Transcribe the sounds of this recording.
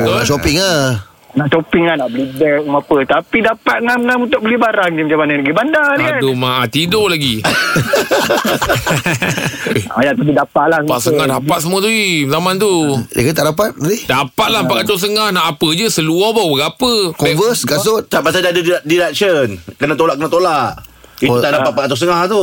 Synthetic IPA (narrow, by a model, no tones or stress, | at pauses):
aʔʃopiŋa | naʔt͡ʃopiŋanaʔbəlibɛmapət̪apidapat̪̚ŋanaunt̪ʊk̚bəlibaɾaŋd͡ʒimat͡ʃamanaləɡibandanadomaʔat̪idolaɡi | ajaʔt̪abidapaʔ̪̚lahəpasəŋahdapat̪̚səmũət̪uizamant̪ṵkat̪aʔdap̬at̪̚adidapat̪̚lapakat͡ʃ̪os̬əŋahnaʔːpəd͡ʒəsəluɔbabəɡapəkɔvəskas̬ot̪apasadadəddilak̚sənkənat̪olaʔkənat̪olaʔiut̪aʔdapat̪̚pat̪̚t̪os̬əŋaht̪u